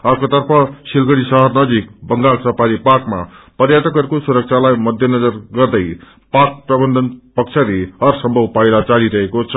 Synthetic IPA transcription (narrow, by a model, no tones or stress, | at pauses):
ʌkot̪ʌrpʰʌsilɡʌɽisʌɦʌrnʌd͡zikbʌŋɡalsʌpaɾiparkma̰pʌrjat̪ʌkʌɾkosuɾʌk̚t͡sʰalajmʌd̪ʱjʌnʌd͡zʌrɡʌrd̪ʌj | pak̚prʌbʌnd̪ʱʌnpʌk̚t͡sʰaɾiʌrsʌmbʱʌwpajlat͡saliɾʌɦekot͡sʰʌ